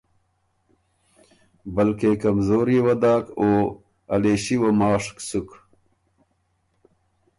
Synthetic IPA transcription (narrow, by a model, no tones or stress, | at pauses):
bəlkekɐmzoːɾjewɐd̪aːkoː | ɐleːɕiwɐmaːʂksuk